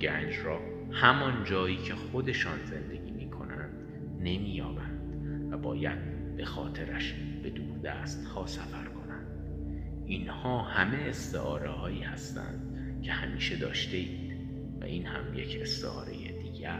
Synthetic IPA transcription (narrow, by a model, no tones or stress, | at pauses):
ɟæːnd͡ʒrɒː | hæmɒnd͡ʒɒːjiːcʰe̞xo̞d̪e̞ʃɒːnze̞nd̪e̞ɟiːmiːkʰo̞̰nænd̪̥ | ne̞miːjɒːbænd̪̥væbɒːjæd̪̚ | b̥e̞xɒːt̪ʰe̞ɾæʃ | b̥e̞d̪uːɾd̪æːst̪hɒːsæfæɾkʰo̞nænd̪ | inhɒːhæme̞est̪eʔɒːɾehɒːiːhæst̪æ̰nd̪̥ | cʰe̞hæmiːʃe̞d̪ɒ̰ːʃt̪e̞iːd̪̥ | væ̰ʔiːnhæmje̞cʰe̞st̪ḛɒ̰ːɾe̞̰jḛd̪iːɟæɾ